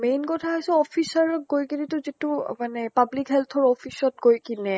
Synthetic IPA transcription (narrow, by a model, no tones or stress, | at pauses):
mejnkɔtʰaɦojsɔɔpʰisaɹɔɡojkinɛtʊzitumanɛpablikɦɛlt̪ʰɔɹɔpʰisɔt̚ɡojkinɛ